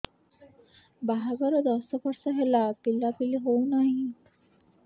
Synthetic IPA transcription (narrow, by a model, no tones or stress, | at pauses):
baɦaɡɔɾɔd̪ɔsɔpʰɔɾsɔɦelapilapiliɦownaɦĩ